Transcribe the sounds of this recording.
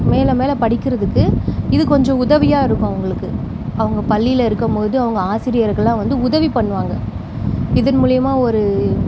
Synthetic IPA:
meːlɐmeːlɐpɐɽɪkːɪɾɐðɯkːɯɪðɯkɔɲd͡ʒɔ̃ʊðɐʋɪjaːɪɾɯkːõɐʋɐŋɡɐɭɯkːɯ | ɐʋɐŋɡɐpɐɭːɪjɪlɪɾɯkːɐmpoːðɯɐʋɐŋɡɐaːsɪɾɪjɐɾɣɐɭlːãːʋɐnd̪ɯʊðɐʋipɐɳːʋaːŋɡɐ | ɪðɐnmuːɭɪjɐmaːɔɾɯ

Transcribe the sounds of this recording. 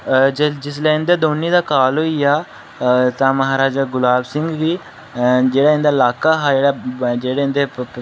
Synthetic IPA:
d͡ʒɪsleɪ̃nd̪ed̪oːnːiːd̪aːkaːloijaː | t̪ãməɦaːɾaːd͡ʒaɡʊlaːbsɪ̃ŋɡɡi | d͡ʒeːɽaːɪ̃nd̪aːlaːkaːɦad͡ʒeːɽad͡ʒeːɽeːɪ̃nd̪e

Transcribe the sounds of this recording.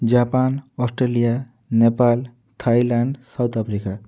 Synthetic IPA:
d͡ʒapanɔsʈɾelija | nepal | t̪ʰailaɳɖsawt̪apʰɾika

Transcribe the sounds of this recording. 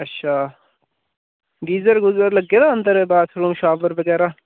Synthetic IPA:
ɐtːʃʰaː | ɡiːzɐɾɡʊzɐɾlɐɡːed̪aɐnd̪əɾebaːt̪ʰɾuːmʃaːbɐɾbɐɡɛːɾa

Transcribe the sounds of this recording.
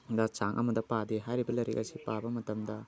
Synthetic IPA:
dɐt͡ʃaŋʔɐ̰mɐdɐpadeɦajɾibɐlɐɾḭkɐsipabɐmɐtɐmdɐ

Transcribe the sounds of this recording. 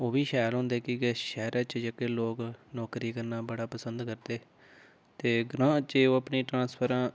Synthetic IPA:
oːbiːʃaːjlɦʊ̃ːnd̪eːkɪʃɛːɾat͡ʃd͡ʒəkeːloːknɔːkɾiːkəɾnaːbəɽaːpəsənd̪kəɾd̪eː | t̪eːɡɾãːt͡ʃeːoːəpniːʈɾãːspʰəɾãː

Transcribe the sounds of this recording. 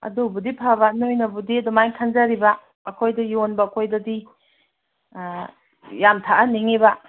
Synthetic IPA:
ɐ̰dubudipʰaβanojnɐbudiɐdumajkʰanzaɾibɐː | kʰojdɐjonbɐɐkʰojdɐdi | jamtʰaʔaniŋiba

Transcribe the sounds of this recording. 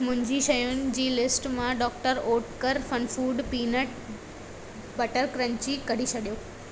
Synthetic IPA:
mʊ̃ɦɪ̃ɲd͡ʑiʃɐjʊnɪ̆d͡ʑiːlɪsʈmãɖɔːk̚ʈəɾoːʈkəɾfɐnfuːɖpiːnəʈ | bɐʈəɾkɾə̃ɲt͡ɕikɐɽ̤isʰɐɗijoː

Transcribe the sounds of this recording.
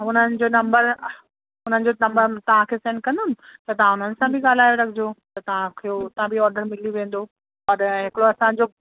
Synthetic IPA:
ʊn̤ənɪ̆d͡ʑoːnɐ̃mbəɾ | ʊn̤ənɪ̆d͡ʑonɐ̃mbəɾt̪ɐʋ̤ãkʰesẽːɳɖ̚kɐ̃nd̪ʊnɪ̆t̪ɐt̪ɐʋãʊn̤ənɪ̆sãbʱɪɠaːl̤aːjoɾɐɡʰʱɪd͡ʑot̪ɐt̪ɐʋ̤ãkʰeot̪ɐãbʱiɔːɾɖəɾmɪliʋẽːn̆d̪o | ɐɾɦɪkɽoɐsãd͡ʑo

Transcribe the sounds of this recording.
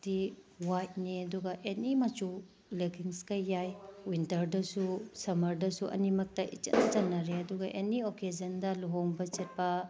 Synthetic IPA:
tiwajt̚niɐduɡɐʔenimɐt͡ʃu | lekʰiŋskɐjːajwintɐɾdɐsusɐmɐɾdɐsuʔɐ̰nimɐk̚tɐʔḭt͡ʃɐ̰nɐt͡ʃɐnːɐɾeɐduɡɐʔenioked͡ʒɐndɐluɦoŋbɐt͡ʃet̚pɐ

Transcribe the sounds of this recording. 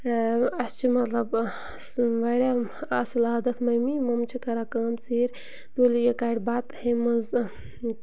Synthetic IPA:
ɐst͡ʃʰimɐt̪lɐb | sʋɐɾʲaɐsilad̪ɐt̪ʰmɐjmimɐmt͡ʃʰikɐɾakaːmt͡siːɾʲ | d̪olijɐkaɽbaːt̪hemɐz

